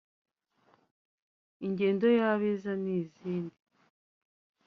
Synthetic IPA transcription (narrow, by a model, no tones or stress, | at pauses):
iɲɟe̞ːndo̞jaβezaniːziːndi